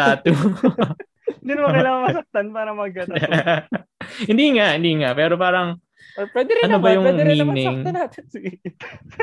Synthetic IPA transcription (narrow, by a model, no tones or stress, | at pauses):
aːt̪o | d̪inmɐkɐlaːŋɐŋmɐsɐk̚t̪anpaːɾɐmɐɡ̚kɐ | hɪnd̪iŋaʔhɪnd̪iŋapɛːɾo̞paːɾɐŋ | pwɛːd̪ɛɾɪɐnobɐjʊŋwɛɪmiːnɪsɐkŋɐnaːt̪ɪnsiɡ